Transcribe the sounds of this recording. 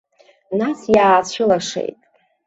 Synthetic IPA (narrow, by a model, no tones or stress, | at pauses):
nasjaːt͡ɕʷʰɪlaʂḛjtʼ